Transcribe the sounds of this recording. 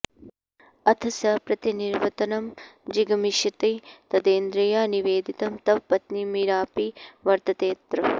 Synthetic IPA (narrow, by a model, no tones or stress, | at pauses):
ɐt̪ʰɐsɐpɾɐt̪iniɾʋɐt̪ɐnɐmd͡ʒiɡɐmiʃɐt̪et̪ɐd̪eːnd̪ɾɐjaːniʋeːd̪it̪ɐmt̪ɐʋpɐt̪nimiɾaːpiʋɐɾt̪ɐt̪eːt̪ɾɐ